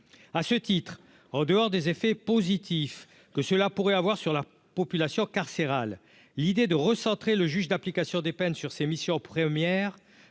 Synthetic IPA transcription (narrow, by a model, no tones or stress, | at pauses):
asət̪it̪χ | ɑ̃d̪əɔʁd̪ezefɛpozit̪if | kəsəlapuʁɛavwaʁsyʁla | pɔpylasjɔ̃kaʁseʁalː | id̪ed̪əʁəsɑ̃t̪χeləʒyʒd̪aplikasjɔ̃d̪epɛnsyʁsemisjɔ̃pχəmjɛʁ